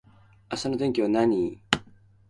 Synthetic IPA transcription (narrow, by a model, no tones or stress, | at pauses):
asanod̪eŋkʲiβanaɲ̟i